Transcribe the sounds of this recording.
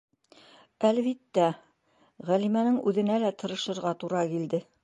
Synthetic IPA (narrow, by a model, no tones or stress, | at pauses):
ælβit̪ːæ | ʁælimænɘŋʉðɘ̆nælæt̪ɤ̆ɾɤ̆ʃɤ̆ɾʁɑt̪uɾɑkild̪ɘ